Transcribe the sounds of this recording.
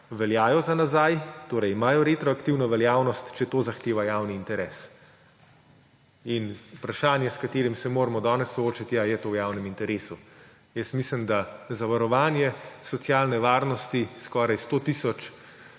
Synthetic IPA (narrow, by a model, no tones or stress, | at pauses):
ʋɛljaːjɔzanazajt̪oːɾɛjimaːjɔɾet̪ɾɔakt̪iwnɔʋɛljaːwnɔst̪t͡ʃɛt̪oːzaxt̪eːʋajaːwniːnt̪ɛɾɛːs | inupɾaʃaːnjɛskat̪eːɾimsɛmoːɾmɔd̪ɔːnɛsːɔoːt͡ʃat̪jajɛt̪oːwjaːwnɛmint̪ɛɾeːsu | jəsmisləmd̪azaʋaɾɔʋaːnjɛsɔt̪sjaːlnɛʋaːɾnɔst̪iskɔːɾajst̪ot̪isɔt͡ʃ